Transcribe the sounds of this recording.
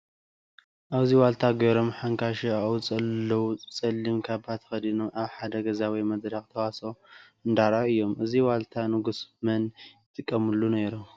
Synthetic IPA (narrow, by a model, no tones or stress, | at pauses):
ʔaβziwalt̪ʰaɡɐɾomħaŋkʰaʃiawt͡sʼɐlːɐwut͡sʼɐlːimkʰaβat̪ʰɐ̥xɐd̪inomʔaβħad̪ɐɡɐzawimɐd̪ɾakt̪ʰɐwaso̞ | ɨnd̪aɾaɨjːo̞mʔɨziwalt̪ʰanɨɡusmɐnjɪt̪ʼɨkʼːɐmɨlːuneɾu